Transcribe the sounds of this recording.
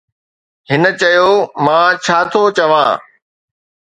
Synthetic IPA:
hɪnə̆t͡ɕɐjoːmãːt͡ɕʰaːt̪ʰot͡ɕɐʋã̰ː

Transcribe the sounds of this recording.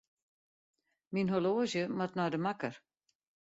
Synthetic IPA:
minɦoloːzəmatnɔjdəmakər

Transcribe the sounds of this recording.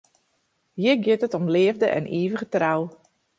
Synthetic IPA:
jɪɡjɪtətɔmlɪəvdəʔɛ̰nʔiːvəχətraw

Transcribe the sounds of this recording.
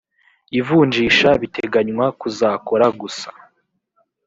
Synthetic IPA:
ivuːɲd͡ʒiːʃaβitʰeɡaɲŋwakuzaːkoɾaɡusḁ

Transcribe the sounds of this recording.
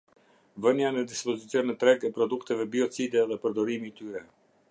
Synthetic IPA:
vənjanəd̪ispɔzit͡sijɔnɛt̪ɾɛɡɛpɾɔd̪ukt̪ɛvɛbiɔt͡sid̪ɛðɛpəɾd̪ɔɾimiːt̪yɾɛ

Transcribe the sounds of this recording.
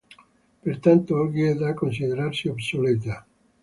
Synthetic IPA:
peɾt̪ant̪oalɣiɛðakons̬iðeɾaɾsiobsolet̪a

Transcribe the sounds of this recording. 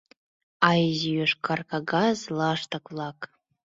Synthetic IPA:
ajzijʏʂkʰarkʰaɡazlaʂt̪ʰakʼvlˠakʼ

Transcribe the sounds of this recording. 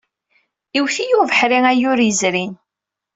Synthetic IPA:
iwθijuvəħɾiŋæjʊɾəzɾin

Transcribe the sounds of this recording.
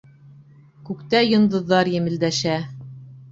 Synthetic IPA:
kʉkt̪æjŏnd̪ɤ̆ðːɑɾjɘ̆mɘ̆ld̪æʃæ

